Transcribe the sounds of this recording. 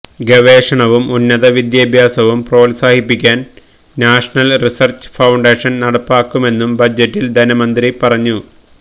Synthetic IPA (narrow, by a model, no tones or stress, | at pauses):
ɡeʋeːʂɐɳɐʋumunːɐðɐʋid̪jɐbʱjaːsɐʋumpro̞ːlsaːhipːikʲːaːn | naːʂɐɳɐlrisɐrt͡ɕfɐwɳɖeːʂɐnnɐɽɐpːaːkːume̞nːumbɐd͡ʑːɐtːild̪ʱɐnɐmɐnd̪ripɐrɐɲːu